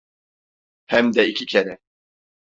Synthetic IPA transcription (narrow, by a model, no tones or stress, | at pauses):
hæmd̪ɛicʰicʰeɾɛ